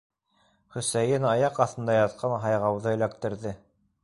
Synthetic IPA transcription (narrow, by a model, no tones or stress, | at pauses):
χɵ̆sæjɘnɑjɑqɑθɤ̆nd̪ɑjɑt̪̚qʰɑnɦɑjʁɑwðɤɵ̆læk̚t̪ɘ̆ɾðɘ